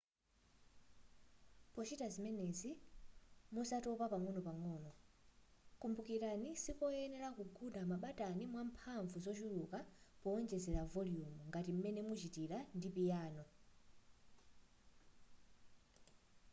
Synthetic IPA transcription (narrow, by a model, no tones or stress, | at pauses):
pɔt͡ʃitazimɛnɛzi | musatɔpapaŋɔnɔpaŋɔːnɔ | kumbukiɾanisipɔɛnɛɾakuɡuɗamaɓatanimwam̩pʰaɱvuzɔt͡ʃuɾukapɔːnd͡ʒɛzɛɾavɔliumuŋɡatim̩mɛnɛmut͡ʃitiɾandipijaːnɔ